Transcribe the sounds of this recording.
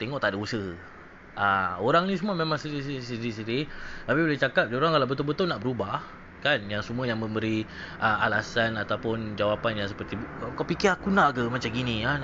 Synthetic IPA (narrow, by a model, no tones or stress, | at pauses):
t̪eŋɔʔt̪aʔdausəh | ʔaoɾaŋnĩs̬əmuamẽmaŋsiɾisisiɾis̬iɾit̪apibolɛht͡ʃakap̚daoɾaŋkalawbət̪ɔlbət̪ʊlnaʔbəɾubah | kanjaŋsəmuajaŋmə̃mbəɾi | ʔamalasanat̪awpʊnd͡ʒawapanjaŋs̬əpərt̪iakawpikɪɾakunaʔkəmat͡ʃamɡinĩa